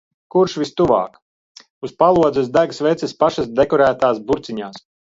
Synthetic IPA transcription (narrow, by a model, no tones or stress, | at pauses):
kuɾʃvist̪uva̰ːk | uspalˠuɔd̪zɛsd̪æɡsvɛt̪sʲɛspaʃasd̪ekɔɾæːt̪aːsbuɾt̪siɲaːs